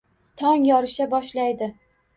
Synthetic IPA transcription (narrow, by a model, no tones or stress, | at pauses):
t̪ʰɒŋjɒɾɪʃabɒʃlajd̪ɪ